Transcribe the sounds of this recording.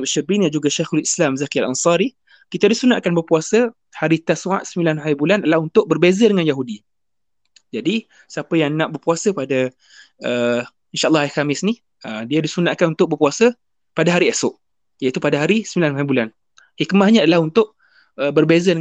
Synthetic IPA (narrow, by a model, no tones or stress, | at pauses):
baʃabinand͡ʒuɡaʃaxulislamzakialʔa̰nsɑɾi | kit̪adisunaʔkanbərpuasə | haɾit̪asua̰ʔ̪səmilanɦajibulanadalahunt̪ʊʔ̚bərbezədəŋãnjaɦudi | d͡ʒadi | səapəjaŋnãʔbərpuasəpada | ə | inʃaʔlːɑhajxamɪsni | ədiadisunaʔkanunt̪ʊʔ̚bərpuasə | padaɦaɾiesʊʔ | jait̪upadaɦaɾisəmilanɦaibulan | hikmahɲaːdalahunt̪ʊʔ | əbərbezə